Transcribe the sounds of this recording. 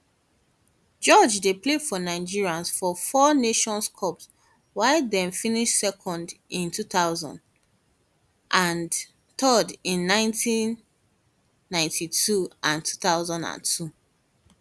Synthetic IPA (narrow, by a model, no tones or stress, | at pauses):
d͡ʒɔd͡ʒdeplefɔnaɪd͡ʒiɹiãnsfɔfɔneʃɔ̃nskʰɔps | waɪldɛ̃ɱfĩniʃsɛkʰɔ̃ndĩntʰuθaʊzɔ̰̃nd | ʔãn | tʰɔdĩnːãɪ̃ntʰĩn | ãɪ̃ntʰitʰuʔãntʰu̥θaʊzãndã̰ntʰu